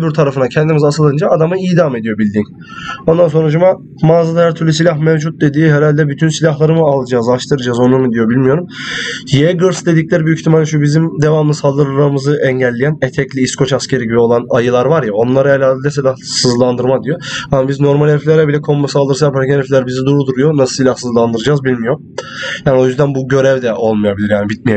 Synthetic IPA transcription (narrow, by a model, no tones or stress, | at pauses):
byɾt̪ʰaɾafɯnacʰɛnd̪imizasɯlˠajɯnd͡ʒaad̪amɯiːd̪avame̞d̪ijo̞bilʲd̪in | ond̪ans̬o̞nɾaʃ̬uma | maːzad̪ajæɾt̪ʰyɾlʲysilʲahmɛvd͡ʒut̪̚d̪e̞d̪iːɦɛɾalʲd̪ɛbyt̪ʰynsilʲaɦlˠaɾɯmɯalˠɯd͡ʒaːzaʃt̪ʰɯɾɯd͡ʒaːzo̞numɯd̪ijo̞bilʲmijo̞ɾumjeɡɯɾsd̪e̞d̪icʲlʲæɾibyyçʲt̪ʰimalʲʃ̬ubizimd̪e̞vamɯnɯsalˠd̪ɯɾamɯzɯʔɛɲɟɛlʲːejænɛt̪ʰɛclʲiiskʰo̞t͡ʃascʰe̞ɾiɟibio̞lˠanajɯlˠaɾvaɾjao̞nlˠaɾaelʲaːd̪elʲɛsilʲahsɯzlˠand̪ɯɾmad̪ijoamabizno̞ɾmalʲheflʲæɾɛbilʲɛkʰo̞mbasalˠd̪ɯɾsapʰaɾcɛnɛflʲæɾbizid̪uɾud̪uɾujo̞nasɯ̥silʲahsɯzlˠand̪ɯɾɯd͡ʒaːzbilʲmijo̞ɾ | jaːnʲio̞jyzd̪ænbuɟø̞ɾɛvd̪ɛʔo̞lˠmɯjabilʲiɾjaːnibit̪̚mije